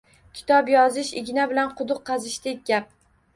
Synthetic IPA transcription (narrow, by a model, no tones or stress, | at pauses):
kʲʰɪ̥t̪ʰɒbjɒzɪʃɪ̰ɡʲɪnabɪlanqʰʊd̪ʊqʰːɑzɪʃd̪ek̚ʲɡʲap̚